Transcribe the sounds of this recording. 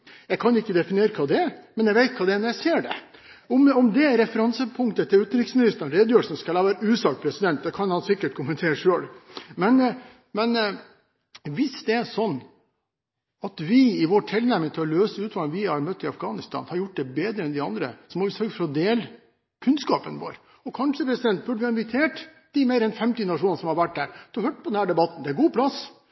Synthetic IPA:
jæɪkʰɑnʊɪkːəd̪ɛfɪnɪeːɾəkʰɑːd̪ɛæɾmɛnjɛɪʋæɪt̪̚kʰɑːd̪ɛɛnɔɾjæɪseːɖɛ̰ | ɔmɔmd̪ɛɾɛfəɾɑnsəpʰʊŋt̪ət̪ʰɪlʉːt̪ənɾɪkːsnɪst̪ɑnɾeːd̪jøːəlsənskɑlɑːʋæːɾəʉːsɑkpʰɾɛsɪd̪ɛnt̪̚d̪ɛkʰɑnhɑnsɪkːəʈ̚kʰʊmənt̪ʰeːɾəʂøːlmɛn | mɛn | ʋɪsd̪ɛæʂɔnː | ɑt̪ʋɪɪʋɔːʈʰɪlnæmɪŋt̪ʰɪlɔløːsəʉːt̪ʋɑlnʋɪhɑɾmœt̪ːɪɑfɡɑːnɪst̪ʰɑ̰ːnhɑɾjʊʈ̚ːd̪ɛbeːd̪ɾəɛnd̪ɪɑnd̪ɾə̰sɔmɔʋɪsœɾɡəfɔɾɔd̪eːl | kʰʉnskɑ̰ːpənʋo̰ːɾ | ɔkʰɑnʂəpʰɾɛsɪd̪ɛnt̪̚bʉɖəʋɪhɑɪnʋɪt̪ʰeːʈ | d̪̥ɪmeːɾɛnfɛmt̪ɪnɑʂ̬uːnnsɔmhɑɾʋæʈd̪æːɾt̪ʰɪlɔhœʈ̚pɔd̪ɛnhæːɖɛbɑt̪ːnd̪ɛæɡuːpʰlɑs

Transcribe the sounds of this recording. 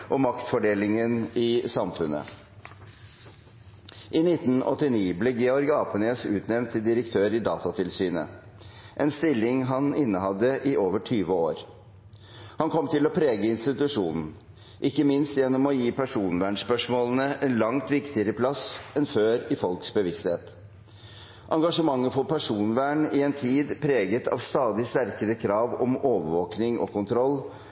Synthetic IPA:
ʔɔmɑkt̪fɔɖeːlɪŋənɪsɑmfʉnə̰ | ʔɪnɪt̪ːn̩ɔ̰t̪ːɪniːbleːɡɛɔɾɡɑːpəneːsʉːt̪nɛʋnt̪ʰːɪld̪ɪɾəkt̪ʰøːɾɪd̪ɑːt̪ɑt̪ʰɪlsyːnə̰ʔɛnst̪ɪlːɪŋɦɑnɪnːəhɑd̪ːəʔɪʔoːʋəʈʰyːʋəoːɾ | hɑnkʰɔmːt̪ɪlɔpʰɾeːɡəɪnst̪ɪt̪ʉʂuːnn̩ | ʔɪkːəmɪnst̪jɛnːɔmɔjiːpʰæʂuːnʋæːɳspœʂmoːlənəʔɛnlɑŋt̪ʋɪkt̪ɪəɾəpʰlɑsɛnføːɾɪfɔlksbəʋɪst̪heːt̪ | ʔɑŋɡɑʂəmɑŋːəfɔpʰæʂuːnʋæːɳɪɛnt̪ʰiːd̪pʰɾeːɡət̪ʰɑ̰ːʋst̪ɑːd̪ɪst̪æɾkəɾəkʰɾɑːʋɔ̰moːʋəɾʋoːknɪŋʔɔ̰kʰʊnt̪ʰɾɔlː

